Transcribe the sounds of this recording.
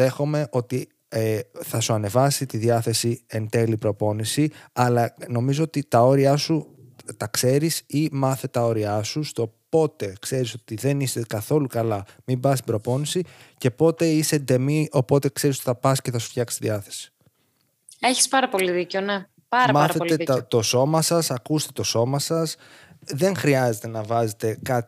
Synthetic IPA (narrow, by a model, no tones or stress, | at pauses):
e̞xo̞me̞ʔo̞t̪i | eθɐsuɐne̞vɐsit̪iðiɐθe̞sie̞nt̪e̞lipɾo̞po̞nisiɐlɐno̞mizoot̪it̪ɐo̞ɾiɐsu | t̪ɐkse̞ɾisimɐθe̞t̪ɐo̞ɾiɐsust̪o̞po̞t̪e̞kse̞ɾiso̞t̪iðe̞nist̪e̞kɐθo̞lukɐlɐmimbɐst̪ibɾo̞po̞nisice̞po̞t̪e̞ise̞d̪e̞mio̞po̞t̪e̞kse̞ɾisot̪iθɐpɐsceθɐsu̥fçɐksi̥t̪iðiɐθe̞̥si̥ | eçi̥spɐɾɐpoliðiceone | pɐɾɐmɐɾɐθet̪et̪o̞so̞mɐsɐsɐkust̪e̞t̪o̞so̞mɐsɐs | ðe̞ŋxɾiɐze̞t̪e̞nɐvɐze̞t̪e̞kɐt̪